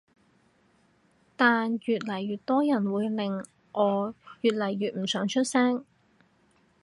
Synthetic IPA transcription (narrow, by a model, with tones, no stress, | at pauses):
t̪aː˨njyː˨t̚lɐ˨˩jɥyː˨˩t̚t̪ɔː˥jɐ˨˩nwuː˨˧˥jlɪ˨ŋ | ʔɔː˨˧jyː˨t̚lɐ˨˩jɥyː˨t̚m̩˨˩sœː˨˥ŋt͡ʃʰɵ˥t̚sɛː˥ŋ